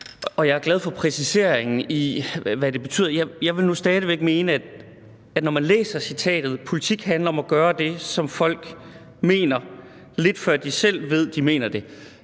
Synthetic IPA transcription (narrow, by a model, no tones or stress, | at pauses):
ɒ̽jɑ̈ɪæɐɡ̥lɛð̞ˠfɒ̽pʰʁɛsise̝ɐ̰eŋn̩iʋæd̥e̝b̥e̝t͡sʰy̰ð̰ˠɐjjɑ̈ɪʋe̝lnusd̥ɛːð̞ˠəʋeɡ̥me̝ːnəæd̥ | æd̥nɒmænlḛːsɐsit͡sʰɛ̰ːd̥ð̞̩ˠpʰo̝lit͡sʰiɡ̥hænlɐɒ̽mæɡ̥ɶːɐd̥e̝sɒ̽mfɒ̽l̰ɡ̥ | me̝̰ːnɐ | le̝d̥fɶɐ̰d̥isel̰ʋe̝ð̞̰ˠd̥ime̝̰ːnɐd̥e̝